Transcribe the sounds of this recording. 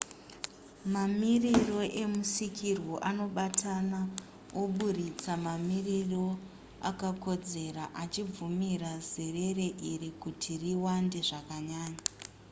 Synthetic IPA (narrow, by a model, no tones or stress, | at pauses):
mamiriro̞ʔe̞musikʰirwo̞ʔano̞ɓatʰana | oɓuɾit͡samamiriro̞ | a̰kako̞d͡ze̞raʔat͡ʃib͡vumirazire̞re̞ʔiɾikutʰiriwande̞ʐakaɲaːɲa